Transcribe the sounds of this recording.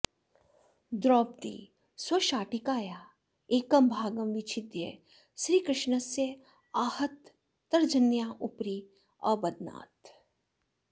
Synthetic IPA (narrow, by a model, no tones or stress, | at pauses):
d̪ɾɔːp̚t̪ḭː | swɐʃaːʈɪkaːjaː | eːkɐmbʱaːɡɐmʋɪt͡ʃʰɪd̪jḛ | sɾiːkɾɪʃnəse | aːhət̪ː | ɐɾd͡ʒɐnjaːʔʊpɾi | ɔːbɐd̪na̰ːt̪